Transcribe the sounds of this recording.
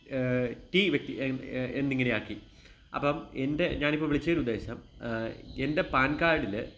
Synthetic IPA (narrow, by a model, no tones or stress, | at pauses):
tiʋjek̚t̪ːieenːiŋːinejaːkːi | ɐ̰pːɐmende̞ɲaːnipːoːʋiɭit͡ɕːɐɐoɾud̪ːe̞ːɕɐm | e̞nde̞paːnkaːɾɖil